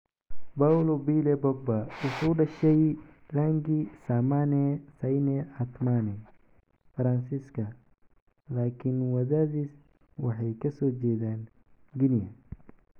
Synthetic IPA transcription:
bawlɔbiːlɛbɔɡ̚bɐʊkʊɖɐʃɛj | laːŋɡisamanɛsɐjnɛɐt̪manɛ | fɐɾɐnsiskʰɐ | laːkʰɪnwɐðaːðiːs | wɑħɑjkʰɐsɔːt͡ʃɛːðaːn | ɡɪnjɐ

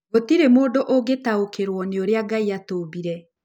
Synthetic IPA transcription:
ɡotiɾemoːdoʔoɡetaokeɾwɔneoɾeaɡaiatoːβiɾɛ

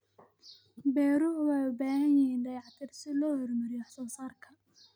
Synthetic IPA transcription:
bɛːɾʊwajʊbaːhɐnjɪhiːnd̪ɐjɑʕt̪ʰɪrsɪlɔːhɔrmɐɾɪjɔħɑsɔːsaːrkʰɐ

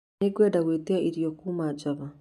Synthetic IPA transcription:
eɡwɛːdaɣweːteaʔiɾijokuːmad͡ʒaβa

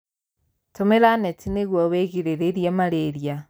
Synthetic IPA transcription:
tomeɾanɛtineɣwɔweɣeɾeɾeɾjɛmaɾeɾja

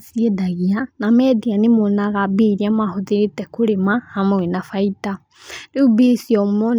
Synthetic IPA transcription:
siedaɣianamɛdianemonaɣabiɾiamahoðiɾetɛkoɾemahamawenafaita | diubisiɔmɔ

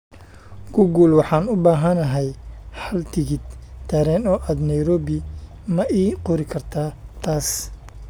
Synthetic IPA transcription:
ɡʊɡulwɑħɑːnʊbaːɦɐnɐɦɛjħɐlt̪ʰɪɣɪd̪t̪ʰːɛːɾɛːnɔːʔaːd̪nɐjɾɔːbɪ | mɐʔiːqɔɾɪkʰɐrt̪ʰaːt̪ʰaːs

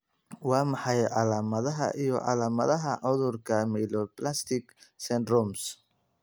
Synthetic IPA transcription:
wɑːmɑħɑjʕɑlaːmɐðɐɦɐ̰ʔijɞʔɑ̰laːmɐðɐɦɐʕʊðʊrkʰɐmɛːlɔplast̪ʰɪɡsɛnd̪rɔms

